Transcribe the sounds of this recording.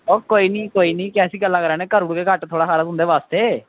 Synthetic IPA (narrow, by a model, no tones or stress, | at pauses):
oːkoːiːnĩːkoːiːnĩːkɛ̃ːsiːɡəlːãːkəɾaːnẽːkəɾʊɽkeːkəʈt̪ʰoːɽaːkaːɾəzʊ̃nd̪eːʋaːst̪eː